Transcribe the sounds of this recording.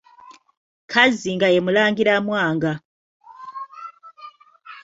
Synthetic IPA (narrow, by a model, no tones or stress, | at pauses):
kʰaziŋɡajemulaːŋɡiɾamwaːŋɡa